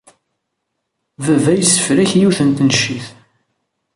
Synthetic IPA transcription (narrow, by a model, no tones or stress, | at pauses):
vævæjsːə̥fɾæçjiwθənt̪nʃːiθ